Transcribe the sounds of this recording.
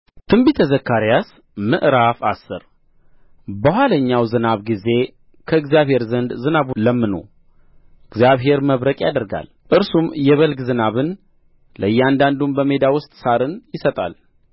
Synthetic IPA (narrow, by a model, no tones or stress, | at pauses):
t̪ʰɨmbit̪ʰəzəkʰːaɾijas | mɨʔɾafasːɨ̰ɾ | bəhʷaləɲːawzɨnaβɡize̞ | kʰəɨɡzijaβhe̞ɾzənd̪zɨnaβuləmːɨno̰ | ɨɡzijaβɦe̞ɾməβɾəkʼjad̪əɾɡa̰l | ʔɨɾsumjɛβəlɡzɨnaβɨn | ləjːɛand̪and̪umbəme̞d̪awʊst̪ʼsaɾɨnjɪsət̪ʼa̰l